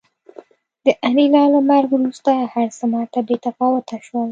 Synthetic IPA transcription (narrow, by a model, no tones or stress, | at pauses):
d̪əʔanilɑlamaɾɡɾust̪ahaɾsamɑt̪abet̪afɑwʊt̪ʰaʃwəl